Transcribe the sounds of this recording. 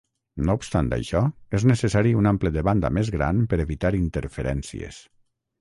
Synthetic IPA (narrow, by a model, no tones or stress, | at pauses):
noupst̪ant̪a̰jʃɔeznesesaɾiunampləðeβand̪a̰mezɣɾa̰npəɾeβit̪aɾint̪eɾfeɾɛnsḭḛs